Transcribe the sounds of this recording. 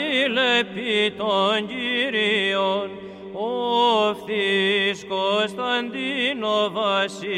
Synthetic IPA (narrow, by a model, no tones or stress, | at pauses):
lepːit̪onɟiɾion | ofθiskost̪ant̪inovasi